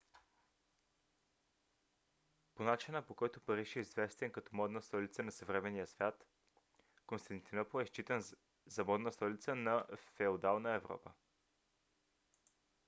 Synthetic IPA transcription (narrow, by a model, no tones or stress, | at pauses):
ponat͡ʃinəpokɔjt̪ʊpɐɾiʃɛizvɛst̪ɛnkɐt̪ɔmɔd̪nəst̪ɔlit̪sənɐsəvɾɛmɛnijəsvʲjat̪ | konst̪ɐnt̪inɔpoɛst͡ʃit̪ən | zɐmɔd̪nəst̪ɔlit̪sənɐfɛod̪alˠnəɛvɾɔ̰pə̰